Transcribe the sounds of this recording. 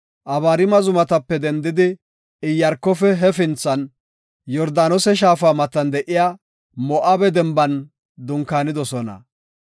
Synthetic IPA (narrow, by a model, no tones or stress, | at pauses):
ʔɐβaːɾɪmɐzʊmɐt̪ɐpːɛd̪ɛnd̪ɪd̪ɪ | ɪjːɐɾkːɔfɛɦɛfɪnt͡sːɐn | jɔɾd̪aːnɔsɛʃ̬aːfaːmɐt̪ːɐnd̪ɛʔɪjaː | mɔʔabɛd̪ɛmbɐn | d̪ʊŋkaːnɪd̪ɔsɔnɐ̰